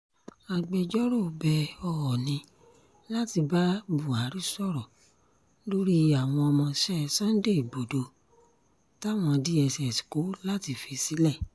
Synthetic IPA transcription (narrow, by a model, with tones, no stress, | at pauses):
a˧ɡ͡bɛ˧d͡ʒɔ˦ɾo˦˨bɛ˧ɔ˧ɔ˨nĩ˧˦ | la˦ti˧ba˦bu˨a˨˦ɾi˦sɔ˦˨ɾɔ˨ | lo˦ɾi˦a˨w̃ɔ̃˧ɔ˧mɔ̃˧ʃɛ˦˨sã˦n̩˦de˦˨i˨bo˨do˧ | ta˦˨w̃ɔ̃˧di˦ɛ˧sɛ˨si̥˨ko˨˦la˦ti˧fi˧si˨˦lɛ˦˨